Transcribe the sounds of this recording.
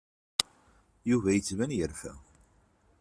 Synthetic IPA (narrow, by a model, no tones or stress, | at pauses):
juvæjət͡sːvænjəɾfæ̰